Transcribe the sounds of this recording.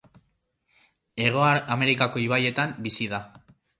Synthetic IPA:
e̞ɣ̞o̞aame̞ɾikako̞iβaje̞t̪ambisiða

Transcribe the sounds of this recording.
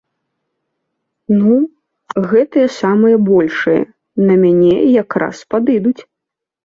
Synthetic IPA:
nu | ɣɛt̪ɨjɐsamɨjɐbɔlʲʂɨjɐ̰ | nɐmʲanʲɛ̰jakɾa̰spad̪ɨd̪ut͡sʲ

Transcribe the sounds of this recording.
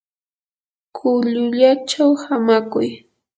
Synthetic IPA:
kʰʊʎʊʎat͡ʃawhamakʊj

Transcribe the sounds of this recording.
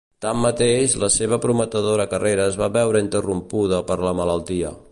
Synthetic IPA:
t̪amːət̪eʃləseβ̞əpɾumət̪əðoɾəkəreɾəzβaβɛwɾəint̪ərumpuð̞əpəɾləmələlˠt̪iə̰

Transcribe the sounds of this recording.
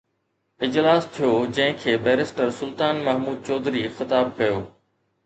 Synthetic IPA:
ɪd͡ʑlaːst̪ʰijoːd͡ʑɐ̃ɦɪ̃kʰeːbɛːɾɪsʈəɾsʊlt̪aːnmɐɦmuːd̪̚t͡ɕɔːd̪ɾixɪt̪aːb̚kɐjoː

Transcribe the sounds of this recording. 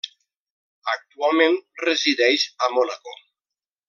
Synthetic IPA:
ak̚t̪ualˠmẽnreziðɛjʃamonako

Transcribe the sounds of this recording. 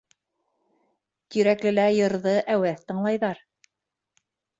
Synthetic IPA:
t̪iɾæklɘ̆læjɤ̆ɾðɤʔæwæθt̪ɤ̆ɴlˠɑjðɑɾ

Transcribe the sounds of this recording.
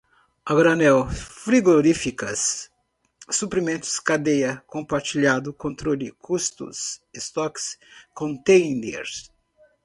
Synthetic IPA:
aɡɾanɛwfɾiɡoɾifikɐsː | upɾimẽnt̪ʊ̥skad̪ejɐkõmpaɾt͡ʃiʎad̪ʊkõnt̪ɾolɪkʰust̪ṵsest̪ɔkskõnt̪ẽjnd̪ḛɾs

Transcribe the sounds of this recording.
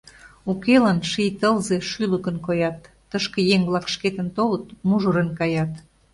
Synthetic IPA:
ukelɑnʃijt̪əlze̽ʃyləkənkojɑt̪ːəʃkĕjeŋblˠɑkʃket̪ənt̪olət̪muʒəɾənkɑjɑt̪

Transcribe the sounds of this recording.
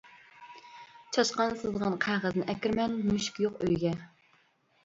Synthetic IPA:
t͡ʃʰɑʃqɑnsɨzʁɑnqʰæʁəznɪʔɛkʲiɾmɛnmyʃkʲjoqøjɡʲɛ

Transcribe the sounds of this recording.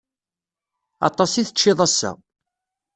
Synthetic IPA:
ɑ̰t̪ˤɑsiθət͡ʃːɪðˤæsːæ̰

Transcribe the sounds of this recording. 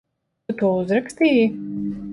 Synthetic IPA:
ut̪uɔuzɾakst̪iːji

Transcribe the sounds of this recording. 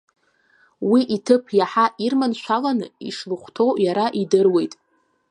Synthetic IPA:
wiʔitʰɨpʰjaħaʔirmanʃʷalanɨ̰ḭʂlɨχʷtʰo̞wjaɾaʔidɨrwe̞jtʼ

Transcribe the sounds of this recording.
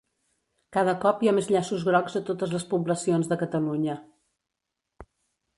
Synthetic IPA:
kaðəkɔpjamezʎasuzɣɾɔɡzðət̪ot̪əzləspuβləsionzðəkət̪əluɲə

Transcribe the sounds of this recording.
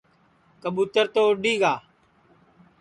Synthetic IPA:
kəɓuːt̪əɾt̪oːɖiːɡaː

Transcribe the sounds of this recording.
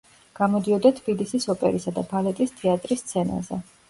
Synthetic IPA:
ɡ̥amɔd̪iɔd̪at̪ʰb̥ilisisɔpʼɛ̰ɾisad̪a̰balɛt̪ʼist̪ʰɛat̪ʼɾist̪sʰɛna̰zɛ̰

